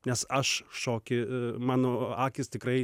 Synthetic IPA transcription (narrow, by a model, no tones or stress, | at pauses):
nʲɛsɐʃʃoːkʲɪmɑːnoːɑːkʲɪst̪ʲɪkɾɐɪ